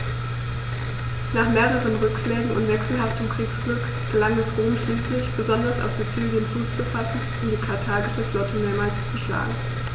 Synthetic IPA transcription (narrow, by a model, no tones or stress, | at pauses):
naːχmeːʁəʁ̞ənʁʏkʃlɛːɡŋ̩ʊ̰ntv̥ɛksl̩ɦaftəmkʁ̥iːksɡ̥lʏk | fɛɐlaŋdasʁoːmʃliːslɪçb̥əzɔndɐsa̰ʊfz̥ut͡siːljənfuːst͡sufasn̩ | ʊmdiːkʰaɐtʰaːɡɪʃəflɔtʰəmeːɐmaːlst͡suʃla̰ːɡŋ̩